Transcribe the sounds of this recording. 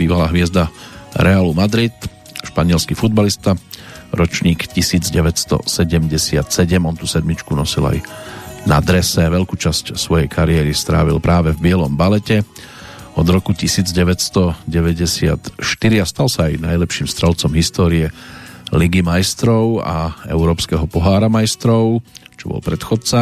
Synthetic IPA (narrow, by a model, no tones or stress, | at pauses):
biːʋalaːɦʋɪɛzd̪aɾɛaːlumad̪ɾit̪ | ʃpaɲɪɛlskifud̪balist̪aɾɔt͡ʃɲiːkcisiːd͡zɟɛʋɛtst̪ɔ̰sɛɟɛmɟɛsɪa̰t̪sɛɟɛmɔnt̪usɛd̪mit͡ʃkunɔsila̰jna̰d̪ɾɛsɛʋɛlkuːt͡ʃascsʋɔjɛjkʰaɾiɛːɾist̪ɾa̰ːʋḭlpɾaːʋɛvbɪɛlɔmbalɛcɛ | ɔd̪ɾɔkucisiːd͡zɟɛʋɛcst̪ɔɟɛʋɛɟɛsɪa̰t̪ʃt̪iɾiast̪alsaːjna̰jlɛpʃiːmst̪ɾɛlt͡sɔmɦist̪ɔːɾiɛliɡimajst̪ɾɔʊa̰ɛ̰ʊɾɔːpskɛɦɔpɔɦaːɾamajst̪ɾɔʊt͡ʃɔbɔ̰lpɾɛt̪xɔt͡sa